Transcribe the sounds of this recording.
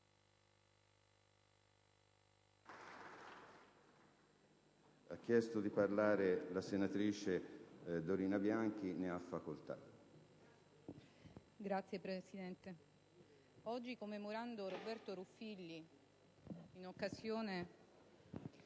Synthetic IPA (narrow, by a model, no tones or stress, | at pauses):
ak̟ːjɛst̪od̪iparlaːɾelasenat̪ɾiːt͡ʃed̪oɾiːnabjaŋk̟ineafːakolt̪a̰ | ɡɾat̪sːjepɾesid̪ɛnt̪e | ɔd͡ʒːikomːemoɾand̪orobɛrt̪oɾufilːi | nokːasjoːne